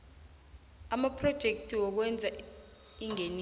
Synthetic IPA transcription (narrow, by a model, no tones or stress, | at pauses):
amapʰrɔd̥ʒ̥ʱek̚tʰʼiwɔk̬wɛnd͡zʱa | iŋen